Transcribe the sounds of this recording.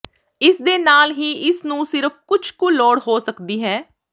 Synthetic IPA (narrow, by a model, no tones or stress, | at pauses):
ɪsd̪eːnaːlɦiːʔɪsnũːsɪɾəfʰkʊt͡ʃʰkolɔːɽɦoːsəkd̪iːɦɛː